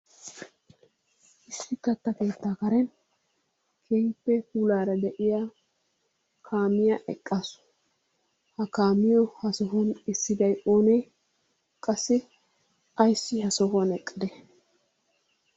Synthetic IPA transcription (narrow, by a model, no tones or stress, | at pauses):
ʔɪsːɪkːɐt̪ːɐke̞ːt̪ːaːkɐɾɛn | kʰeːŋpːɛkuːlaːɾɐd̪ɛʔɪja | kʰaːmɪjaʔɛkʼːaːsʊ̥ | hɐkaːmɪjɔhɐsɔɦɔnɪsːɪd̪ɐjoːne | kʼɐsːɪ | ɐjsːɪhɐsɔɦɔnɛkʼːɪd̪ɛ